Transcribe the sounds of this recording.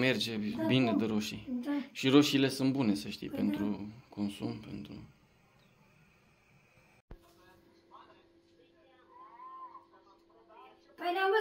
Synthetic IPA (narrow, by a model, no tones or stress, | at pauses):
me̞rd͡ʒe̞bine̞d̪əɾoʃḭʃiɾoʃile̞sunt̪bune̞səʃt̪ḭjpe̞nt̪ɾukʰo̞nsṵmpe̞̰nt̪ɾṵ